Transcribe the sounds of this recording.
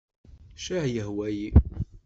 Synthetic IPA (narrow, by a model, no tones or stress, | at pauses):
ʃiʕjəhwæji